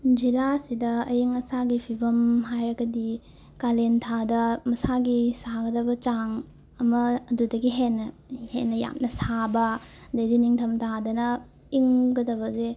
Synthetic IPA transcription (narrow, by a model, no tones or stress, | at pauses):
d͡ʒilasidɐɐjiŋɐsaɡipʰibɐmɦajɾɐɡɐdi | kalentʰadɐmɐsaɡisaɡɐdɐbɐt͡ʃaŋ | ɐmɐːdudɐɡiɦenːɐ | henːɐja̰mnɐsabɐdɐjdiniŋtʰɐmtʰadɐnɐ | iŋɡɐdɐβɐze